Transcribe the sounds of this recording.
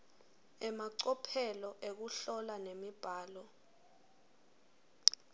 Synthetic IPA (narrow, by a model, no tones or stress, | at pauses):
ɛmaǀɔpʰɛlɔʔek̬uɬɔlanemib̥ʱaːlɔ